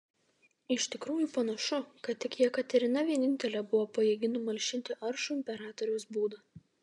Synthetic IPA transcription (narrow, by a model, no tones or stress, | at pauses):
ɪʃʲt̪ʲɪkɾuːjupɐnɐʃʊkɐt̪ʲt̪ːʲɪkjiɛkɐt̪ʲɛɾʲɪnɐʋʲiɛnʲɪnʲt̪ʲɛlʲɛbʊʋoːpɐjɛːɡʲɪnʊmɐlʲʃʲɪnʲt̪ʲɪʔɐɾʃʊɪmʲpʲɛɾɑːt̪ɔɾʲɛʊsbuːd̪ɐ